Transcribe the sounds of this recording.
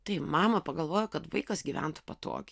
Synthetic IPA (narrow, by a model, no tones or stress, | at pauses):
t̪ɐɪmɑːmɐpɐɡɐlˠʋoːjokɐt̪ʋɐɪkɐsɡʲiʋʲæ̰nt̪ʊ̥pɐt̪o̰ːkʲ